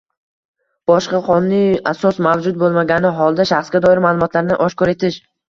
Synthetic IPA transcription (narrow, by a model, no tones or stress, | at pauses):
b̥ɒʃqɑqʰɒnnɪasɒsmavd͡ʒʊt̪̚bolˠmaɡʲanɪɦɒlˠd̪aʃaχsɡʲad̪ɒɪɾmaːlˠʊmɒt̪laɾnɪʔɒʃkʰɒɾe̞t̪ʰɪʃ